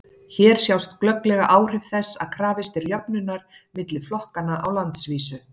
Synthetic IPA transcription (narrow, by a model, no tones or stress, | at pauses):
çɛːɾ̥sjawst̪klœklɛɣaʔaːwr̥ɪvθɛsːa̰ðkʰɾaːvɪst̪ɪɾjœpnʏnːaɾ̥ | mɪt̪lɪflɔhkanaʔawlant̪sviːsʏ